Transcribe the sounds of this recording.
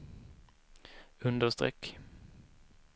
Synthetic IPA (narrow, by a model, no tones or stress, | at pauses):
ɵnd̪əʂt̪ɾɛ̰kː